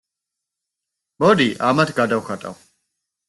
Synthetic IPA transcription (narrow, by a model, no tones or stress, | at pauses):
bɔd̪iʔamat̪ʰɡad̪awxat̪ʼa̰w